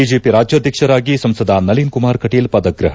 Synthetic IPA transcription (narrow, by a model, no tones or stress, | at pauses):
id͡ʒeːpiɾaːd͡ʒjɐːd̪ʱjɐkʂɐɾaːɡisɐmsɐd̪ʱanɐliːnkumaːɾkɐʈiːlpɐd̪ɐɡɾɐɦɐ